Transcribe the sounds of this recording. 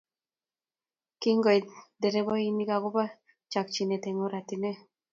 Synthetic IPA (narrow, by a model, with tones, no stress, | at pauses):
ki˦ŋɡɔ˨jd̪e˨ɾe˦bɔ˦i˦ni˦ɡa˨ɣu˦ba˦ | t͡ʃa˨k̚t͡ʃi˨ne˨t̪eŋo˦ɾa˨t̪ine˦